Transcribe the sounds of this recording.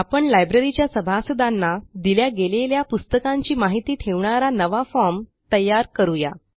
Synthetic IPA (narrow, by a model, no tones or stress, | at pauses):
apəɳlajbɾeɾit͡ɕjasəbʱasud̪ʱanːad̪iljaɡeleljapust̪əkãɲt͡ɕiːmaɦit̪iːt̪ʰeʋɳaɾanəʋafɔɾmt̪əjːaɾkəɾuja